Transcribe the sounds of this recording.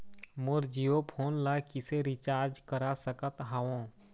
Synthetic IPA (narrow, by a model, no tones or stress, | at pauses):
moɾd͡ʒijopʰoːnlakɪseɾɪt͡ʃaːɾd͡ʒkəɾasəkət̪ɦaõ